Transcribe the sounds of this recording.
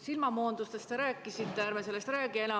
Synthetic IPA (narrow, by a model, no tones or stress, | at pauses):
silmɑmoːnd̪ust̪e̞st̪e̞ɾæːkːˑisit̪ːˑeæːɾmese̞lːest̪ræːɡ̥ie̞nɑ